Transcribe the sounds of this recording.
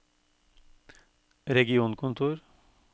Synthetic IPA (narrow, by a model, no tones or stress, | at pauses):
ɾɛɡɪuːnkʰʊnt̪ʰuːɾ